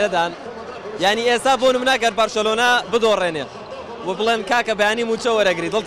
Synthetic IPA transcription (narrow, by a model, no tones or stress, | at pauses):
ɐd̪aːn | jaʕniːeːst̪aːbonɨmnaɡɐɾbaɾʃɐloːnabɨd̪oreːneː | wɐbɨlˠeːnkaːkɐbɐjaːniːmuːt͡ʃɐwɐɾɐɡɾiːd̪ɨl